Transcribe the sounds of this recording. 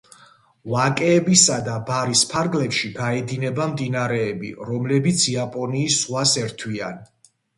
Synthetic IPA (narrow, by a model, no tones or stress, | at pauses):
vakʼɛːbisad̪abaɾispʰaɾɡlɛpʃiɡaɛd̪inɛbamd̪inaɾɛːbḭɾɔmlɛbit̪sʰiapʼɔniːsːχwasɛɾt̪ʰwian